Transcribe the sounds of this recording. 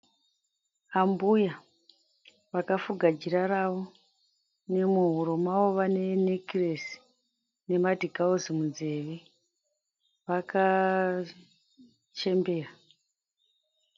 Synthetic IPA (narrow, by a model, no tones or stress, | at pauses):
ambuja | ʋakafuɡʱad͡ʒiɾaɾaʋo̞ | ne̞muɦuɾomawo̞ʋane̞nekiresi̥ | ne̞madʱikaozimund͡ze̞ʋe | ʋaka | t͡ʃe̞mbe̞ːra